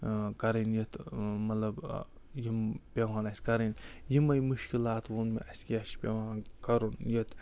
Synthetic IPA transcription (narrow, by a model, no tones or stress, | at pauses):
kɐɾinjit̪mɐt̪lɐb | jimpʲeʋaːnɐskɐɾinjimɐjmuʃkilaːt̪ʋunmḛʔɐskiɐʃpʲeʋaːnkɐɾunjit̪